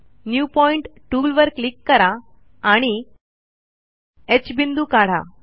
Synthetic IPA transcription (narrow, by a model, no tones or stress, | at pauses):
njupɔiɳʈʈuːlʋəɾklikːəɾaː | ɽ̃i | et͡ɕbind̪uːkaɽ̤a̰